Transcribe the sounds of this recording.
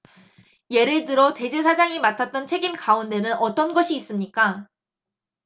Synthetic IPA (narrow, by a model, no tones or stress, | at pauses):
je̞ɾɯɭt̬ɯɾʌte̞d͡ʑesʰad͡ʑaŋimatʰat̚t͈ʌnt͡ɕʰe̞ɡimkaunde̞nɯnʌt͈ʌnɡʌɕʰiːs͈ɯmɲik͈a